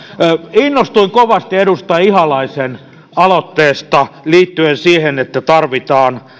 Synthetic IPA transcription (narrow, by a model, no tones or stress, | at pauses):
inːost̪uiŋkoʋɑst̪iedust̪ɑihɑlɑisen | ɑlot̪ːeːst̪ɑliːt̪ːyensiːhenet̪ːæt̪ɑrʋit̪ɑːn